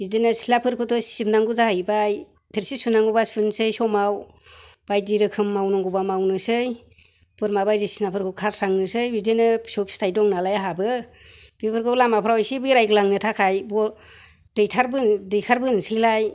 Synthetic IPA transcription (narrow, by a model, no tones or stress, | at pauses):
bidenɯsilapʰɯɾkʰɯtɔssibnaŋɡuzajbaj | tʰiɾsisunaŋɡubasɯnsɯjsɔmaw | b̥ajdiɾɯkʰɯmːawnɔŋɡubamawnɯsɯj | bɯɾmabajzisinapʰɯɾkʰɯkʰaɾtʰaŋnɯsɯjbidenɯsɔpstʰajdɔŋnalajaɦabɯb̥ipʰɯɾkʰɯlamapʰɾawjsibɯɾajkɯlaŋnɯtʰakʰajbɔ | dɯjtʰaɾbɯndɯjkʰaɾbɯnsɯjlaj